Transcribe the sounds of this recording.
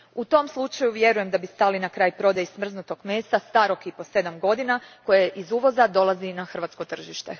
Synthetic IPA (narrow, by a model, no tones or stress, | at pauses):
ut̪o̞mslˠut͡ʃajuʋje̞ɾuje̞md̪abist̪aːlinakɾaːjpɾo̞d̪ajismr̩znut̪o̞ɡmeːst̪ast̪aɾokipo̞se̞d̪amɡo̞d̪inako̞jeʔizuːʋo̞zad̪o̞lˠazinaxr̩ʋat̪sko̞t̪r̩ʒiʃt̪e